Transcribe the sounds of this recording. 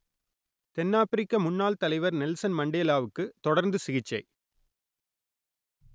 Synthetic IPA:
t̪ɛnːaːpɪɾɪkːɐmʊnːaːlt̪ɐlɐɪʋɐɾnɛlsɐnmɐɳɖeːlaːʋɯkːɯt̪ɔɽɐɾnd̪ɯsɪɣɪt͡ʃːɐɪ

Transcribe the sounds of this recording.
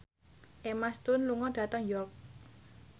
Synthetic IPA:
ʔemast̪ʊnluŋɔɖ̥ä̤t̪əŋjɔrk̚

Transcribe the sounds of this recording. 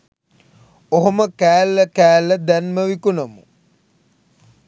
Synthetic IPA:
oɦoməkæːlːəkæːlːəd̪ænməʋikunomṵ

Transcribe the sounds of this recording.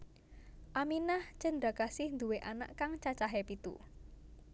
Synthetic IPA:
ʔaminaht͡ʃəndakasɪhnd̪uweʔana̰ʔkaŋt͡ʃat͡ʃaɦepit̪ṵ

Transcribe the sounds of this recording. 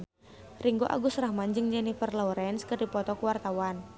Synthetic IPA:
riŋɡoʔa̰ɡʊsrahmand͡ʒɨŋd͡ʒɛnifərlɔwɾɛnskərdipɔt̪ɔkəwart̪awan

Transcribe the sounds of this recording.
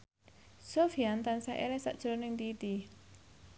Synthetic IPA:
sofiant̪ansaʔḛlɛsa̰ʔd̥ʒ̥ɾɔnɪŋd̪it̪i

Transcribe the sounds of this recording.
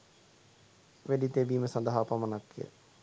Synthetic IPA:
ʋeɖit̪eːbiːməsand̪əɦapamənakːejə̰

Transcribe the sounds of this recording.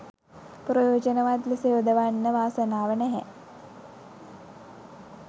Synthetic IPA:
pɾəjoːd͡ʒənəʋat̪ləseod̪əʋanːəʋaːsənaːʋənɛɦɛ̰

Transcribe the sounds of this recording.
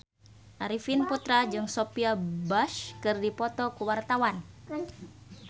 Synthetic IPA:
ʔaɾifinput̪ɾad͡ʒɨŋsopiabaʃkɨrdipɔt̪ɔkuwart̪awan

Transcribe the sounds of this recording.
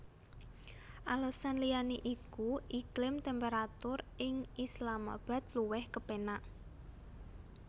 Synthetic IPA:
ʔaləsanlijaniʔikuʔiklɪmt̪ɛmpeɾat̪ʊrɪŋislama̰b̥a̤t̪̚luwɛhkəpenaʔ

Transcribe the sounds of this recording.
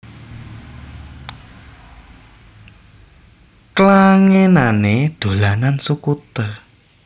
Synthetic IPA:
klaŋenaned̪̥o̤lanansukut̪ə

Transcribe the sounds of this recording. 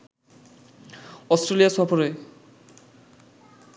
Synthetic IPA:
ɔstɾelijasɔfoɾe

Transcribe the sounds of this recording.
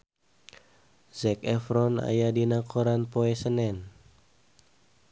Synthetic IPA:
zɛkɛfɾɔna̰jadinakʰoɾanpoɛsənɛn

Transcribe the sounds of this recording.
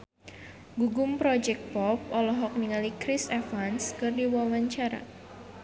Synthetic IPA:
ɡuɡʊmpɾɔd͡ʒɛk̪̚pɔp̚ɔlɔɦɔk̚niŋalikɾisɛfanskɨrdiwawaɲt͡ʃaɾa̰

